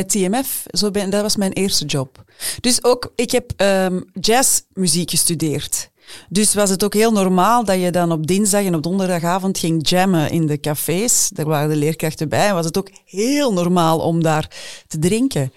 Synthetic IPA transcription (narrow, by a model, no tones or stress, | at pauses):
ətiɛmɛfzoːbɛndɑtʋɑsmɛjnʔeːrstəd͡ʒɔpd̥ʏsoːkɪkɦɛpəmd͡ʒɛːsmyziːkxəstydeːrt | dʏsʋɑsətoːkɦeːlˠnɔrmaːlˠdɑjədɑnɔb̚dɪnzdɑxɛnɔb̚dɔndərdɑxaːvɔntxɪŋd͡ʒɛməʔɪ̰ndəkafeːsdaːrʋaːɾədəleːrkrɑxtəbɛjɛnʋɑsətoːkheːlˠnɔrmaːlˠɔ̰mdaːrtədrɪŋkə